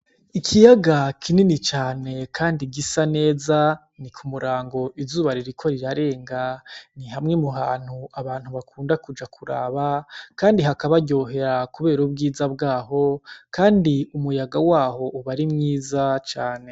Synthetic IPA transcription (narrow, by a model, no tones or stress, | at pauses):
ikʰijaɡakʰininit͡ʃaːne̞kʰaːndiɡisane̞ːza | nikʰumuɾaːŋɡo̞ʔizuːβaɾiɾikʰo̞ɾiɾaɾe̞ːŋɡaniɦamŋe̞muɦaːn̥huaβaːn̥huβakʰuːndakud͡ʒakʰuɾa̰ːβakaːndiɦakaβaɟo̞ːɦe̞ɾakuβe̞ːɾubɡiːzabɡaːɦo̞kaːndiumujaɡawaːho̞ʔuβaɾimŋiːzat͡ʃaːne̞